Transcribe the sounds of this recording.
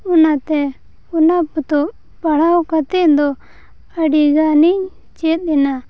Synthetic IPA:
unat̪ɛ | unaput̪ɔ | paɽawkat̪ɛʔd̪ɔ | əɖiɡaniɲ | t͡ʃɛt̪̚ˀɛna

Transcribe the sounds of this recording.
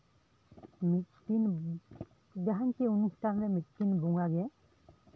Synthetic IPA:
mit̚tin | daɦankʰiunustʰanɾɛmit̪̚kinbuŋaɡɛ

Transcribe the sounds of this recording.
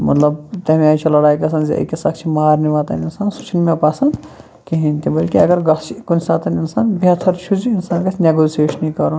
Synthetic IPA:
mɐ̰t̪lɐbt̪ɐɦmiaːjt͡ʃʰɐlɐɽaːjkɐs̬ɐnzḛɐ̰kesɐkʰt͡ʃʰimɐɦaːɾniʋaːt̪ɐninsaːnsu̥t͡ʃʰinmepasɐnd̪ | kiɦint̪ibɐlkiɐɡɐɾɡɐt͡ʃʰikunsʲaːt̪ɐninsaːnbɐt̪ʰɐɾt͡ʃʰud͡ʒiːnsaːnkɐsʰʲineɡoːseːʃnikɐɾu

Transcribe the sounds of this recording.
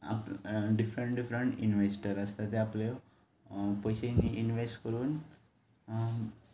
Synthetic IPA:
a̰pɖifɾəɳʈɖifɾəɳʈinʋesʈəɾəst̪at̪eaple | pojɕeninʋesʈkəɾuːn

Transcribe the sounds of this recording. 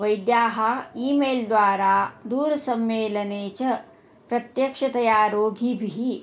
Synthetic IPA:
ʋɐjd̪jaːɦɐiːmeːld̪ʋaːɾaːd̪uːɾɐsɐmʋeːlɐneːt͡ʃɐ | pɾɐt̪jɐkʂɐt̪ɐjaːɾoːɡʱibʱiɦi

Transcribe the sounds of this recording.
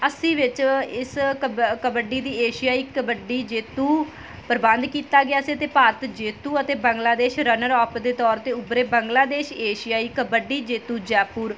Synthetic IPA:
əsĩːʋɪt͡ʃɪskəbəɖːiːd̪iːeːʃɪjaːiːkəbəɖiːd͡ʒeːt̪ũː | pəɾbə̃nd̪kiːt̪aːɡɪaːsiət̪eːpaːɾət̪d͡ʒeːt̪uːət̪eːbə̃ŋɡlaːd̪eːʃɾənəɾɔːpd̪eːt̪ɔːɾt̪eːʊbɾeːbəŋɡlaːd̪eːʃeːʃɪjaːiːkəbəɖiːd͡ʒeːt̪uːd͡ʒɛːpuːɾ

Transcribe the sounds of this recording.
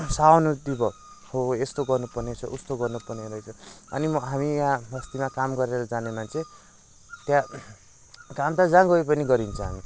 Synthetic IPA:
saonud̪ibʌ | hoest̪oɡʌrnupʌrnet͡sʰʌʔust̪oɡʌrnupʌrneɾʌjt͡sʰʌʌ̰nimʌɦamijãɦʌst̪imakamɡʌɾeɾʌd͡zanemant͡sʰe | t̪jã | kamt̪ad͡zãɡʌipʌniɡʌɾint͡sʰʌ̃ɦa̰mi

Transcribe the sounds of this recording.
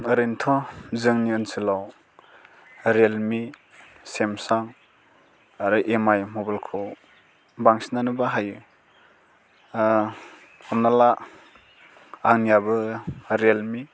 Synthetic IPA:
ɾintʰɔzɯŋniɯnsilaw | ɾelmi | semsaŋ | aɾuʔemajmobalkʰo | baŋsinanɯbaɦajɯ | ɔmnala | aŋnijabɯɾelmi

